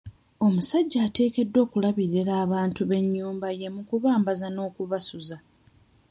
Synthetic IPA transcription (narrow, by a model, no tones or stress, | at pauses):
o̞musaɟːaːte̞ːke̞dːo̞ːkulaβiɾeɾaːβaːntuβe̞ɲːuːmbaje̞mukuβaːmbazano̞ːkuβasuza